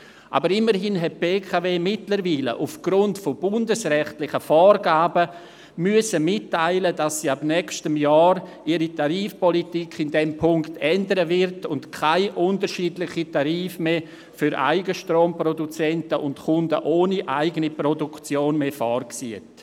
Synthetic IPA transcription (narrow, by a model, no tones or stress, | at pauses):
ʔa̰bəɾɪmːəɾɦɪnɦɛt̚b̥eːkʰaveːmɪtləɾviːlə̰ʔufɡ̥ɾʊntfobʊndəsɾɛχtlɪχəfɔːrɡaːbə | myəsəmɪtːaɪlədasːiːabnɛkstəmjɔːɾʔiːɾitaɾiːfpɔlitikʰɪndɛmpʰʊŋktʰɛndəɾəvɪɾtʊntkʰaɪʔʊntəɾʃiːdlɪχitaɾiːfmeː | fyɾʔa̰ɪɡəʃtɾoːmprodut͡sɛntəʔʊntkʰʊndəʔoːniʔaɪɡənipɾɔdukt͡sjoːnmeːfɔːrksit